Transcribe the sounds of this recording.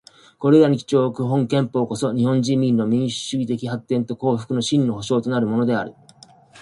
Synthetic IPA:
ko̞ɾe̞ɾaɲ̟ikʲi̥t͡ɕo̞ːkɯ̟ɦõ̞ŋkẽ̞mpo̞ːko̞so̞ɲ̟ihõ̞ɲd͡ʑĩmʲːĩnːo̞mʲĩɰ̃ɕɨ̥ɕɨɡʲit̪e̞kʲiɦat̪ːẽ̞nt̪o̞ko̞ːɸɯ̟̥kɯ̟no̞ɕĩnːo̞ɦo̞ɕo̞ːt̪o̞naɾɯ̟mo̞no̞d̪e̞aɾɯ̟

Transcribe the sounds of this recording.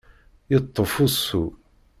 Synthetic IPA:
jət̪ˤːofusːu

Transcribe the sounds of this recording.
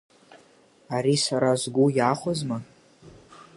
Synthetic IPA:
aɾisaɾazɡʷujaχʷozma

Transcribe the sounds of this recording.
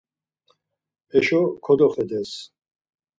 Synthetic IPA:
ɛʃɔkʰɔd̪ɔχɛd̪ɛs

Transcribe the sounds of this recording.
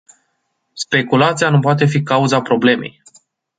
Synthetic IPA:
spe̞kulat̪sijanupoat̪e̞fikauzapɾo̞ble̞me̞̰j

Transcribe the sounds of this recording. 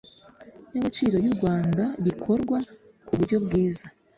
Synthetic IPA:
noɡit͡ʃiːɾo̞ɾjuɾɡwaːndaɾikʰo̞ɾɡwa | kuβuɾɟo̞bɡiːza

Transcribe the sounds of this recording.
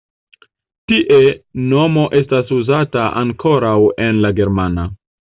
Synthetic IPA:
tiʔe̞no̞mo̞ʔe̞stasuzataʔa̰ŋkʰo̞ɾawe̞nlaɡe̞ɾmana

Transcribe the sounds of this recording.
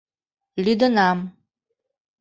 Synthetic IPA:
lid̪ɔnam

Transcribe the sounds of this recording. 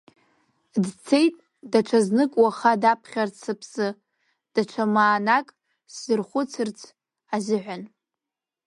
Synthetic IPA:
dt͡sʰe̞jtʼ | daʈ͡ʂʷʰaznɨkʼwaχadapʰχʲart͡sʰɨpʰsɨ | d̥aʈ͡ʂʷʰamaːnakʼ | szɨrχʷʊt͡sʰɨrt͡sʰ | azɪʕʷan

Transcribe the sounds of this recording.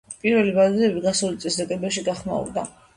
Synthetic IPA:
pʼiɾvɛlivad̪d̪ɛbiɡasulit̪sʼɛsd̪akʼɛbɛʃ̬iɡaχma̰ṵɾd̪a

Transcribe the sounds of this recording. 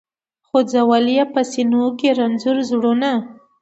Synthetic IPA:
xod͡zawalijapəsinokeɾanzʊɾzɽona

